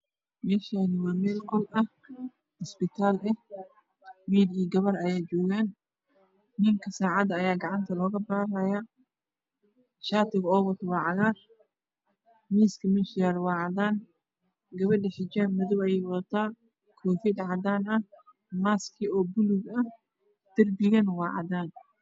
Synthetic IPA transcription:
mɛːʃaːnɪwaːmɛːlqɔlʔɐ | hɔspɪt̪ʰaːlɛh | wiːd̪iːɡɐβɐɾɐjaːd͡ʒɔːɣaːn | nɪŋkʰɐsaːʕɑd̪ɐːjaːɡɑʕɑnt̪ʰɐlɔːɣɐbaːɾɐja | ʃaːt̪ɪɣɔːwɐt̪ʰwɑːʕɑɣaːr | miːskʰɐmɪnʃɪjaːɾwɑːʕɑðaːn | ɡɐβɐɖɪħɪd͡ʒamʊðɔwɐjɛwɐðɐt̪ʰaː | kʰɔːfɪd̪ʕɑd̪aːnɐh | maːskʰɪɔːbʊlʊɡɐh | d̪̥ɐrbɪɣɐnwɑːʕɑ̰d̪aːn

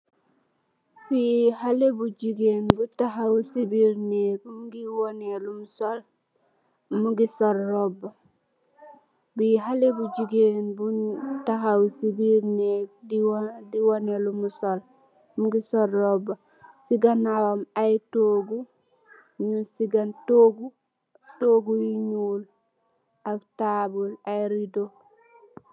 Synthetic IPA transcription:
fihalebud͡ʒiɡenbutaɦawsibiɾneːk̚muɡiwonelumusol | muɡisoɾːoba | biɦalebud͡ʒiɡenbutaɦawsibiɾneːk̚diwdiwonelumusol | muɡisoɾːoba | siɡanawomajtoɡu | ɲunsiɡantoɡu | toɡujiɲul | aktabulajɾido

